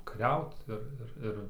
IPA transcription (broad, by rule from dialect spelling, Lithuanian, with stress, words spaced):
kɐˈrʲɛʊt ˈɪr ˈɪr ˈɪr